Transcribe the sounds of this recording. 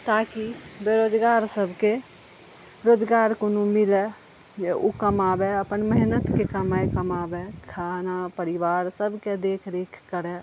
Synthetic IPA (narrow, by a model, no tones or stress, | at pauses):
t̪akibeɾoːd͡ʒɡaːɾsəbʱke | ɾoːd͡ʒɡaːɾkonumɪlɛ | okəmaːbeəpənməɦnət̪kekəmaekəmaːbekʰanapəɾɪʋaːɾsəbʱked̪eːkʰɾeːkʰkəɾɛ